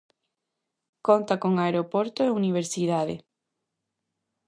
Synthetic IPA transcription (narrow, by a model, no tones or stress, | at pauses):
kont̪akoŋaeɾopoɾt̪oeuniβ̞eɾsiðaðḛ